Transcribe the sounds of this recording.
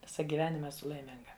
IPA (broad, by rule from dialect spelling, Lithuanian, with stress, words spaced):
ˈʋʲɪsɑː ɡʲiːˈʋʲæːnʲɪmɐ ɛˈsʊ lˠɐɪˈmʲɪŋɡɐ